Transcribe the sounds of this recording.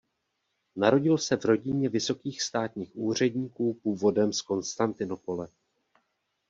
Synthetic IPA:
naɾo̞ɟɪlsɛvɾo̞ɟɪɲɛvɪso̞kiːxst̪aːt̪ɲiːxʔuːr̝ɛdɲiːkuːpuːvo̞dɛmsko̞nst̪ant̪ɪno̞po̞lɛ

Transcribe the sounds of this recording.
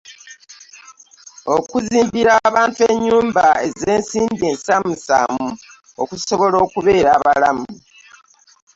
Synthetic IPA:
o̞kuziːmbiɾaβaːntueɲːuːmbae̞ze̞ːnsiːndie̞ːnsamusa̰mu | o̰kuso̞βo̞lo̞ːkuβe̞ːɾaːβalamuu

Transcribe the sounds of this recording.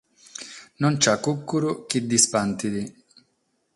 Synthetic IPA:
nɔnt͡ʃakːukːuɾʊkid̪ːispant̪id̪i

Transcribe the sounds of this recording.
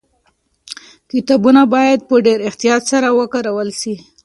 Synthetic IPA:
kit̪ɑbunabɑjad̪̚pəɖeɾɪxt̪ijɑt̪saɾawəkaɾawəlsi

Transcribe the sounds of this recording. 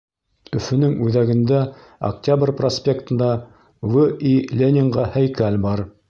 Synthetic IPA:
ɵ̆fɵ̆nɘŋʉðæɡɘ̆nd̪æ | ɐ̰k̚tʲabrʲprosʲpʲekt̪ɤ̆nd̪ɑ | vɘilʲenʲɪŋʁɑhæjkælʲbɑɾ

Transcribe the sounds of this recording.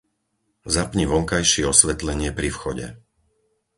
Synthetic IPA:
zapɲiʋɔŋkajʃɪɛɔsʋɛt̪lɛɲɪɛpɾifxɔɟɛ̰

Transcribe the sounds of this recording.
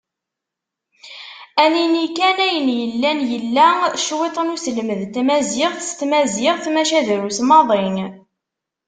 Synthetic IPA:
æninikːænæjənjəlːænjəlːæʃwet̪ˤənusəlməðt̪mæziʁθəst̪mæzɪʁθmæʃæðɾusmɑðˤɪŋ

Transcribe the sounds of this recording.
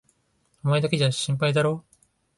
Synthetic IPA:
omaed̪aked͡ʑaɕĩmp̬aid̪aɾo̞ː

